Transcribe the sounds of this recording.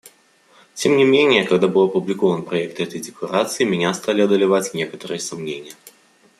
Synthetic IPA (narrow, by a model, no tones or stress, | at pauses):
t͡sʲɛmnʲimʲenʲːɛjɐkɐɣd̪abɨwˠɐpublʲikɔvɐnpɾɐjɛk̚t̪ɦɛt̪ɐjd̪ʲɛkaɾat̪sɨjimʲɛnʲast̪alʲiɐd̪ɐlʲavat͡sʲnʲeɛkɐ̥t̪ɨɾɨjɛsamnʲenʲːɐ